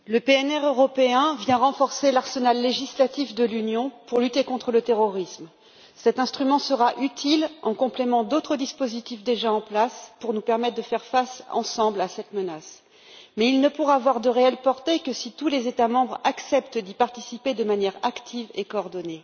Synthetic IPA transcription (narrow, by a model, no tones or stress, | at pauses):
ləpeɛnɛʁøʁɔpeɛ̃vjɛ̃ʁɑ̃fɔʁselaʁsənalːeʒislat̪ifd̪əlynjɔ̃puʁlyt̪ekɔ̃t̪χələt̪eʁɔʁism | sɛt̪ɛ̃st̪χymɑ̃səʁaʔyt̪ʰilɑ̃kɔ̃plemɑ̃d̪ot̪χəd̪ispozit̪ifd̪eʒaɑ̃plaspuʁnupɛʁmɛt̪χd̪əfɛʁfasɑ̰̃sɑ̃blasɛt̪mənas | mɛilnəpuʁaːvwaʁd̪əʁeɛlpɔʁt̪ekəsit̪ulezet̪amɑ̃bʁaksɛpt̪d̪ipaʁt̪isiped̪əmanjɛʁakt̪ʰivekoːʁd̪ɔne